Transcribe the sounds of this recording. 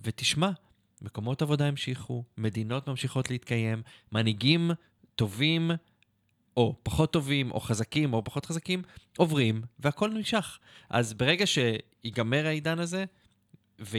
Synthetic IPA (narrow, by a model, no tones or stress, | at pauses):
ve̞tiʃma | me̞ko̞mo̞tavo̞daimʃiχume̞d̪ino̞t̪mamʃiχo̞t̪leit̪kaje̞mːaniɡim | to̞vim | ʔo̞paχo̞t̪ːo̞vimʔo̞̰χazakimo̞paχo̞t̪χazakimʔo̞vʁimveako̞lnimʃaχʔa̰zbeʁe̞ɡaʃe̞ | iɡame̞ʁaidanaze̞ | ve